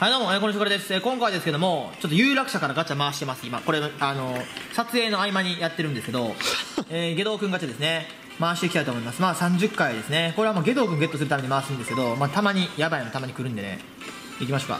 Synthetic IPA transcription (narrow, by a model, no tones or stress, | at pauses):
hajd̪oːmõeːkonoɕ̬okoɾed̪esɨ̥eːkõ̞ŋkaid̪e̞sɨ̥ke̞d̪omot͡ɕo̞t̪̬ːojɯːɾakɯ̟̥ɕakaɾaɡat͡ɕːamaːɕi̥t̪e̞masɨima̰ko̞ɾeaano̞sat͡sɨe̞ːno̞aimaɲ̟ijat̪ːe̞ɾɯ̟̃nd̪e̞sɨke̞d̪o̞eːɡe̞d̪o̞ːkɯ̃ŋɡat͡ɕad̪esɨne̞ | maːɕi̥t̪e̞kʲit̪ait̪oːmoimasɨmaːsãɲ̟d͡ʑɨkːaid̪e̞sɨne̞ko̞ɾe̞βamoɡe̞d̪o̞ːkɯ̟̃ŋɡe̞t̪ːo̞sɨɾɯ̟t̪ame̞ɲimaːsɨ̃nd̪sɨ̥ke̞d̪o̞maːt̪amaɲ̟ijabaimot̪amaɲ̟ikɯ̟ɾɯ̟nd̪e̞nḛ | ikʲimaɕoːka̰